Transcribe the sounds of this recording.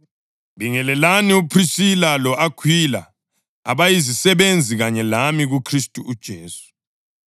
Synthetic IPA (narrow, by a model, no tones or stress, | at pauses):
βiŋɛlɛlaniupʰrisilalɔʔakʰwila̰ | a̰βajizisɛβend͡zʱiɣaɲɛlamiɣukʰristʼuʔud̥ʒ̥ʱeːsu̥